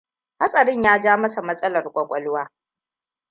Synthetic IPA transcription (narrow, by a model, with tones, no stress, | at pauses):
ha˦sʼɐ˨ɽɪ˦ɲjaː˦d͡ʒaː˦mɐ˦sa˨mɐ˦sʼɐ˦lɐ˨rkʷʼɐ˨kʷʼɐ˦lʊ˦waː˦